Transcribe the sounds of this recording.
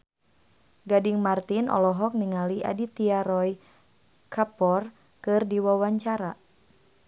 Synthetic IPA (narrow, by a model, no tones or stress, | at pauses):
ɡadiŋmart̪inʔɔ̰lɔɦɔk̚niŋaliʔa̰dit̪iaɾɔj | kʰapɔr | kɨrdiwawaɲt͡ʃaɾa